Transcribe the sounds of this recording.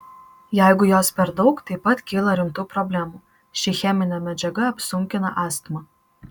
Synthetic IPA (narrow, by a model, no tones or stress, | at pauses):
jæɪɡʊjoːspʲɛɾd̪ɒʊkt̪ɐɪpɐt̪kʲiːlˠɐɾʲɪmt̪uːpɾɔbʲlʲæmuː | ʃʲɪxʲɛmʲɪnʲɛmʲɛd͡ʒʲɛɡɐɐpʲsʊŋʲkʲɪnɐ̰ʔɑːst̪mɐ